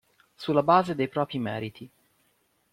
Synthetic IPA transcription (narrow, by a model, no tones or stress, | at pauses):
sulːabaːzed̪ejpɾɔːpɾimɛːɾit̪ʰi